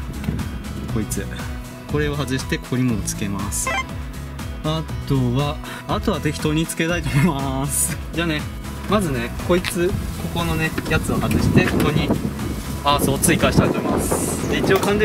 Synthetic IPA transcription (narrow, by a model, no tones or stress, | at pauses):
kʰo̞it͡sɨ | ko̞ɾe̞o̞ɦazɨɕi̥t̪e̞kʰo̞ɾʲimot͡sɨ̥ke̞masɨ̥ | at̪o̞βaː | t̪o̞βat̪e̞kʲi̥t̪o̞ɲ̟it͡sɨ̥ke̞t̪ait̪o̞moimasɨ̥ | d͡ʑaːne̞ | mazɨne̞ko̞it͡sɨko̞ko̞no̞ne̞jat͡sɨo̞hazɨɕi̥t̪e̞hko̞ɲ̟i | aːso̞ːt͡sɨikaɕi̥t̪ait̪o̞momasɨ̥d̪eit͡ɕio̞kãnd̪e